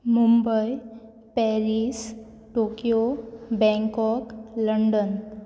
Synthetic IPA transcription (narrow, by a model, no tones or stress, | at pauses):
mumbəj | pɛɾis | ʈokijobɛ̃ŋkɔkləɳɖən